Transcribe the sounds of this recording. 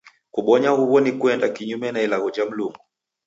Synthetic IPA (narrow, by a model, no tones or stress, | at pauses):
kuɓɔɲahuβɔnikuɛndakiɲumɛnailaɣɔd͡ʒam̩luŋɡu